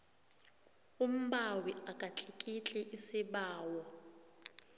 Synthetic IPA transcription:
um̩ɓawiʔakʼat͡ɬʰʼikʼit͡ɬʼɛʔisiɓaːwɔ

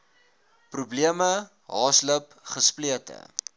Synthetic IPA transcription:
prubliəmə | ɦɑːsləp | χəspliətə̰

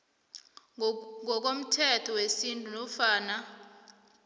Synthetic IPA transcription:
ŋɔk̬om̩tʰɛtʰɔwesintʼunɔfaːna

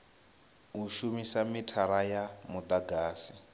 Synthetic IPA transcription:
uʃumisamitʰaɾajamud̪aɡaːsi

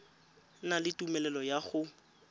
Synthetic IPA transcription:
nalɪtʼumɛlɛlɔjaχʊ

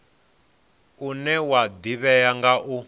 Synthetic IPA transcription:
unɛwad̪iβɛjaŋɡaʔu

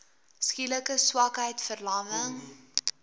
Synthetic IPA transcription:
skiləkəswɐkɦəjtfərlɑːməŋ

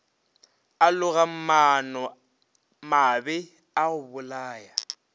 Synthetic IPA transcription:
alʊɣam̩manɔ | mabɛ | aɣʊbʊlaːja

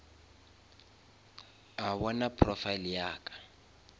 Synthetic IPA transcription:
awɔnapʰrɔfailjaːkʼḁ

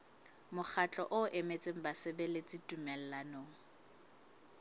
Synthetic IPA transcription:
mʊk͡xʰat͡ɬʼɔ̰ʔʊʔemet͡sʼeŋ̩basɪbelet͡sʼitʼumɛl̩lanoːŋ̩

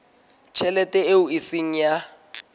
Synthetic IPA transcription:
t͡ʃʰɛlɛtʼɛeuisiŋ̩ja

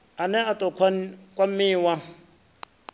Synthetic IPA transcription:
anɛatʼɔkʰakʼwam̩miːwa

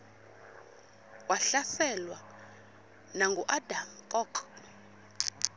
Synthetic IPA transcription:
waɬasɛlwa | naŋɡʱuʔadamkʼɔkʰ

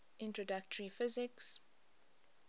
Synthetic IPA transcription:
ʔɪ̃ntɹɔdak̚tʰəɹifɪzɪks

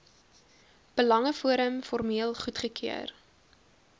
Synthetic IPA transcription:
b̥əlɐŋəfuəɾəmfɔrmiəlˠχutχəkʰiə̰r

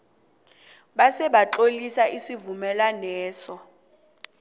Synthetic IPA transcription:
ɓasɛɓaǁolisaisivumɛlanɛːsɔ

